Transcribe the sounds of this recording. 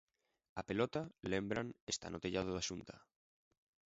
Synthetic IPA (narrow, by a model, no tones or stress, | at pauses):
apelot̪alembɾanest̪a̰nʔot̪eʎað̞oðaʃunt̪a